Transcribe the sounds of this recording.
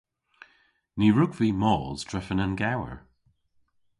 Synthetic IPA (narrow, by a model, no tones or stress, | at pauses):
niɹuɡv̥imɔːz̥dɹɛfənənɡawə̰ɹ